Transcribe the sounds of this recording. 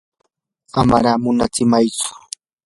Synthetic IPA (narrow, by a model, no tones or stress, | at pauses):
ama̰ɾaːmʊnat͡sɪmajt͡sʊ̥